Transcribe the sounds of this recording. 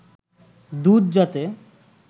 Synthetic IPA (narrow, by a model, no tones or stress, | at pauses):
d̪ud̪d͡ʑat̪e